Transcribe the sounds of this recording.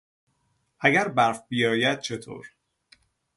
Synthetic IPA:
ʔæɡæɾbæɾfbijɒːjæd̪̥̚t͡ʃʰe̞t̪ʰo̰ːɾ

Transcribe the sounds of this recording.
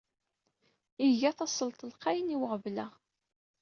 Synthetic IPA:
iʝæθɑsˤəlt̪ˤəlqɑjniwəʁvlæ

